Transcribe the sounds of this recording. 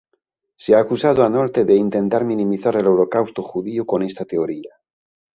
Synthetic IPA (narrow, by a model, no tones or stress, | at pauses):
seaːkusað̞oano̞ɾt̪e̞ðe̞int̪ẽ̞nt̪aɾminĩmiθaɾe̞le̞wɾo̞kawst̪oxuðioko̞ne̞st̪at̪e̞oɾia